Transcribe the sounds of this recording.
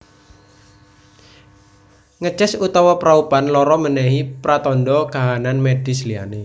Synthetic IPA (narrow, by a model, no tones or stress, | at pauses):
ŋət͡ʃɛsut̪awɔpɾaupanlɔɾɔmənɛɦipɾat̪ɔndɔkaɦananmed̥ɪslia̰ne